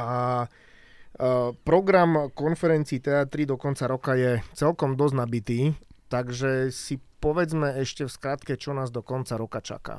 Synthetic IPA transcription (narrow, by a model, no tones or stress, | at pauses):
ʔa | pɾɔɡɾamkɔnfɛɾɛnt͡siːt̪ɛat̪ɾid̪ɔkɔnt͡saɾɔkajɛt͡sɛlkɔmd̪ɔznabit̪iːt̪aɡʒɛsipɔʋɛd͡zmɛɛʃcɛfskɾat̪kɛt͡ʃɔnaːzd̪ɔkɔnt͡saɾɔkat͡ʃa̰ka̰